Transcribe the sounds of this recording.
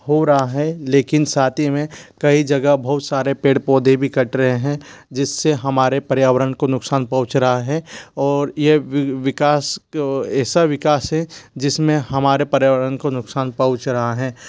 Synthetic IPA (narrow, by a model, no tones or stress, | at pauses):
hoɾɐɦaɦɛleːkɪnsaːt̪ʰimẽkɐid͡ʒɐɡəbɐɦʊt̪saːɾepeːɽpɔːd̪ʱebʱikɐʈɾɐɦeɦɛ̃d͡ʒɪsːeɦɐmaːɾepɐɾjaːʋəɾənkonʊksaːnpɐ̃ɦʊt͡ʃɾɐɦaɦɛɔːɾjeʋɪkaːsɛːsaʋɪkaːsɦɛ̃d͡ʒɪsmẽɦɐmaːɾepɐɾjaːʋəɾənkonʊksaːnpɐɦʊ̃t͡ʃɾɐɦaɦɛ̃ː